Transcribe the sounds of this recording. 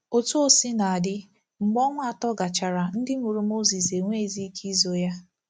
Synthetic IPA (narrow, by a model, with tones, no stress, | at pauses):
o˦tu˦o˦si˦na˨a˨dɪ˦ | ŋ͡m̩˨ɡ͡bɔ˦ŋʷ˦a˨tɔ˦ɡa˨t͡ʃa˨ɾa˨n̩˦dɪ˦ŋʷu˨ɾu˦mo˦zi˨se˨ŋʷe˦˨zi˦kʰi˦zo˨ja˦